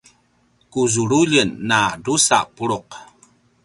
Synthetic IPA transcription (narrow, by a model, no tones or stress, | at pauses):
kuzuɾuʎənːadusa̰ʔpuɾuq